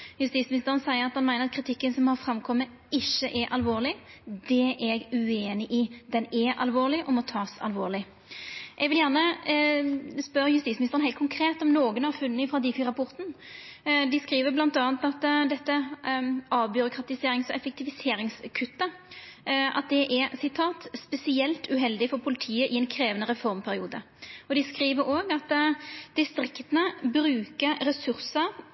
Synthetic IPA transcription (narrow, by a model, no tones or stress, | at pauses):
jʉst̪iːtsmɪnɪst̪əʁənsæɪəʁɑt̪̚hɑnmæɪnəʁɑt̪̚kʰɾɪt̪ʰɪkːənsɔmhɑʁfɾɑmkʰɔmːə | ɪʃːəʔɛʔɑlʋoːʁlɪd̪ɛʔɛɡʉeːnɪʔɪd̪ɛnɛʔɑ̰lʋoːʁlɪʔɔmɔt̪ʰɑːsɑ̰lʋo̰ːʁlɪ | ʔɛɡʋɪljæʁnə | spœɾjʉst̪iːsmnɪst̪ʁənhæɪt̪kʰʊŋkʰɾeːt̪ɔmnoːɡənhɑʁfʉnːəfɾɑd̪ɪfiːɾɑpʰʊʁt̪n | d̪ɪskɾiːʋəblɑnt̪ɑːnt̪ɑt̪d̪ɛt̪ːə | ʔɑːʋbjʏɾʊkɾɑt̪ɪseːɾɪŋsɔɛfɛk̚t̪ɪʋɪseːɾɪŋskʰʉt̪ːə | ʔɑ̰t̪̚d̪ɛʔɛɾsɪt̪ʰɑːt̪spɛsɪɛlt̪ʉɦɛld̪ɪfɔɾpʰʊlɪt̪ʰiːəʔɪɛnkʰɾeːʋənəʁɛfɔɾmpʰæɾɪuːd̪ə | ɔd̪ɪskɾiːʋəɾoːɡɑt̪d̪̥ɪst̪ɾɪkt̪ənəbɾʉːkəɾɛsʉɾsəɾ